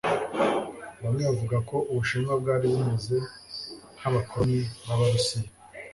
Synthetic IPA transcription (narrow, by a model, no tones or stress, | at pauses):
βamŋeβavuɡako̞uβuʃiːmɡabɡaːɾiβumeze̞ | haβakʰomiβaβaɾusija